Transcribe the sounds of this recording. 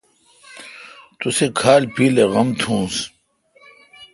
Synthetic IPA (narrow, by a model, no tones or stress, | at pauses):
t̪usekʰaːlpiːleɣɐmt̪ʰũːs